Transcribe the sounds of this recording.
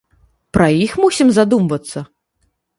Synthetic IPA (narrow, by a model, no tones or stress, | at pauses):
pɾɐjixmusʲimzad̪umvɐt̪sːɐ